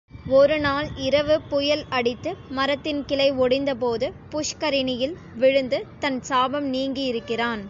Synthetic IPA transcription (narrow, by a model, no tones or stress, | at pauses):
ɔɾɯnaːlɪɾɐʋɯpʊjɐlɐɽɪt̪ːɯmɐɾɐt̪ːɪnkɪlɐɪɔɽɪnd̪ɐpoːðɯpʊʂkɐɾɪnɪjɪl | ʋɪɻɯnd̪ɯt̪ɐnsaːbɐmniːŋɡijɪɾɯkːɪraːn